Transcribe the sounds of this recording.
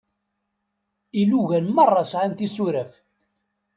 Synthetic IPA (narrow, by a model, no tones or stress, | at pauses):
iluʝænmɑrˤːɑsʕænt̪isuɾæf